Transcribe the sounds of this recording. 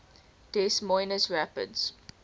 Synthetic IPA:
tɛsmɔ̃ɪnəsɹæpə̰dz̥

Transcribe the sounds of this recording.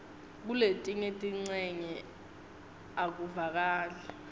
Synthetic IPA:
k̬uletʼiŋetʼiŋ͡ǀɛɲɛ | ak̬uvak̬aːlɛ

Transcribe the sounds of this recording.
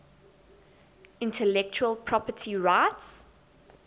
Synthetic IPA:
ɪ̃ntʰəlɛk̚t͡ʃuəlˠpʰɹ̥ɔpətʰiɹaɪts

